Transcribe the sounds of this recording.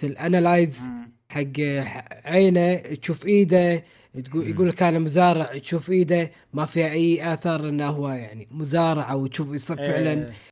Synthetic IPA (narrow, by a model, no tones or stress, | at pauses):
ɪlʔanalajz | ħaɡːʕeːnat̪ʃuːfʔiːd̪a | jɡuːlkaːnamʊzaːɾˤɑʕt̪ʃuːfʔiːd̪a | mafiːhaʔajːʔaθɑɾˤʔɪnːahwajaʕnimʊzaːɾˤɑʕawt̪ʃuːfisˤɨfɪʕlan